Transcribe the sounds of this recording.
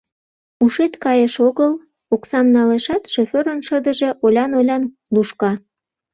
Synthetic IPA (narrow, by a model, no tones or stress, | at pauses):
uʃet̪kɑjeʃoɣəl | oksɑmnɑleʃɑt̪ʃofʲøɾənʃəd̪əʒe̽ʔolʲɑnolʲɑn | luʃkɑ